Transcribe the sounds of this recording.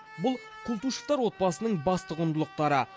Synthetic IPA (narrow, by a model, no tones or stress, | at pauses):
bʊlˠ | kʲʰʊlˠt̪uʃə̥t̪ɑɾwo̞t̪̚bɑsənəɴbɑst̪əqʊnd̪əlˠəq̚t̪ɑɾə